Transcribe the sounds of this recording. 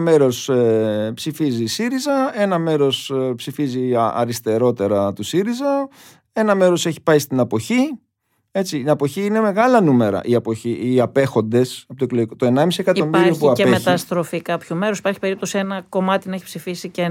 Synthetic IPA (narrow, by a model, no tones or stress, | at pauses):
me̞ɾo̞s | psifizisiɾizɐe̞nɐme̞ɾo̞spsifiziɐ̰ɾist̪e̞ɾo̞t̪e̞ɾɐt̪usiɾizɐ | e̞nɐme̞ɾo̞se̞çi̥pɐjst̪inɐpo̞çi | e̞t͡siːɐpo̞çiine̞me̞ɣɐlɐnume̞ɾɐ̰ʔiɐpo̞çiːɐpe̞xo̞nd̪e̞sɐpot̪okloʝikot̪oe̞nɐmisiekɐt̪omiɾioçpuiɐpeemet̪ɐst̪ɾo̞fikɐpçume̞ɾosi̥pɐɾçi̥pe̞ɾip̚t̪o̞sienɐko̞mɐt̪inɐeçipsifisice